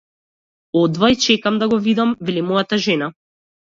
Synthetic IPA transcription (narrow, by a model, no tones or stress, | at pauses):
ɔd̪vait͡ʃɛkamd̪aɡɔvid̪amvɛlimɔjat̪aʒɛna